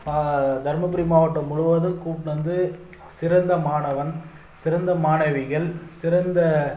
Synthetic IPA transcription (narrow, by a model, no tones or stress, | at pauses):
mad̪ʱɐɾmɐpɪɾimaːʋɐʈːɐmːʊɻʊʋɐðɐlkuːpnɐnd̪ɯ | sɪɾɐnd̪ɐmaːɳɐʋɐn | sɪɾɐnd̪ɐmaːɳɐʋɪɣɐɭsɪɾɐnd̪ɐ